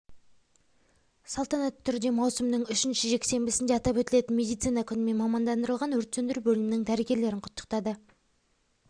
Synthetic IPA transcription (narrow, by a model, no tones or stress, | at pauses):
sɑlˠt̪ɑnɑt̪ʰːʏɾd̪e̞mɑwsəmd̪əŋʏʃɪnʃɪʒe̞kse̞mbɪsɪnd̪eɑt̪ɑpwɵt̪ɪle̞t̪ɪnmʲe̞d̪ijt̪sijnɑkʲʰʏnɪme̞nmɑmɑnd̪ɑnd̪əɾəlˠʁɑnwɵɾt̪sɵnd̪ɪɾbɵlɪmnɪŋd̪æɾeɡʲe̞ɾle̞ɾɪŋqʰʊ̥t̪ːə̥qt̪ɑd̪ə